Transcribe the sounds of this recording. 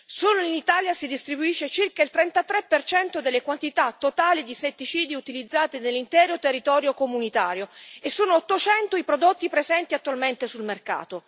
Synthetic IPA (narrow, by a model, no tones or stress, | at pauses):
soːnoinit̪aːljasid̪ist̪ɾibuiʃːet͡ʃirkailt̪ɾɛnt̪at̪ɾepːert͡ʃɛnt̪od̪elːekwant̪it̪at̪ːot̪aːlid̪iset̪ːit͡ʃiːd̪iut̪ilid̪zːaːt̪enelːint̪ɛːɾot̪erːit̪ɔːɾjokomunit̪aːɾjoesːoːnoːt̪ːot͡ʃɛnt̪oipɾod̪ot̪ːipɾezɛnt̪iat̪ːwalment̪esulmerka̰ːt̪o